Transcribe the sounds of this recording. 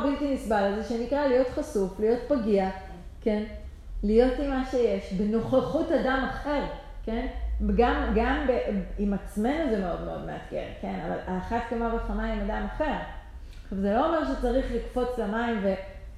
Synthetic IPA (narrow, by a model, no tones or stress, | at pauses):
biltimisbalazeʃenikʁalijo̞t̪χasuflijo̞tpaɡia | ke̞n | lijo̞timːaʃe̞je̞ʃbeno̞χaχutadamaχe̞ʁ | ke̞nɡamɡambeimat͡sme̞nozemeo̞dmeo̞̰dmḛa̰tɡḛʁke̞na̰va̰laχat̪kamabaχanaimadamaχe̞ʁ | ʃavzelo̞ːmeʁʃet͡saʁiχlikfo̞t͡slamaimve̞